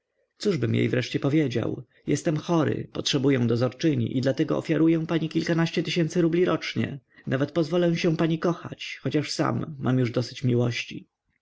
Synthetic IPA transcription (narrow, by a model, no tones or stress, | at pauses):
t̪suʐbɘmjḛjvɾɛʂt͡ɕɛpɔvʲjed͡ʑa̰w | jɛst̪ɛmxɔɾɘ̰pɔtʂɛbujɛw̃d̪ɔzɔɾt͡ʂɘɲḭʔid̪lat̪ɛɡɔ̰ɔ̰fʲjaɾujɛw̃paɲikʲilkanaɕt͡ɕɛt̪ɘɕɛnt̪sɘɾublʲiɾɔt͡ʂɲɛ̰nʔavɛt̪pɔzvɔlɛw̃ɕɛ̃paɲikɔxa̰t͡ɕxɔt͡ɕaʂsa̰mːamjuʐd̪ɔsɘ̥t͡ɕmʲiwɔɕt͡ɕi